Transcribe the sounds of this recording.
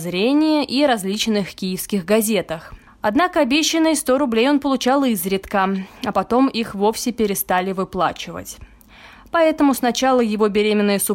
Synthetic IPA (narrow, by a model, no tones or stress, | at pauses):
zɾʲenʲɪjəʔiɾɐzʲlʲit͡ɕnɨxkʲijɪfskʲɪxɡɐzʲe̞t̪əx | ɐd̪nakəɐbʲeɕːɪnːɨjst̪o̞ɾʊblʲejo̞npəlˠʊt͡ɕalˠɨzɾʲɪt̪kəɐpɐt̪o̞mixvo̞fsʲɪpʲɪɾʲɪst̪alʲɪvɨplˠa̰t͡ɕɪvə̰tʲ | pɐɛt̪əmʊsnɐt͡ɕalˠəjɪvo̞bʲɪɾʲemʲɪnːəɨjəsʊ